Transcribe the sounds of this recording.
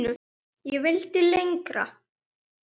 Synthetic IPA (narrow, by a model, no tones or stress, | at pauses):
nʏ | jɛvɪlt̪ɪlejŋkɾa̰